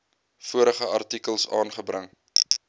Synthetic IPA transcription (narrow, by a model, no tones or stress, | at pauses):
fuəɾəχəɐrtikəlˠsɑːnχəbɾəŋ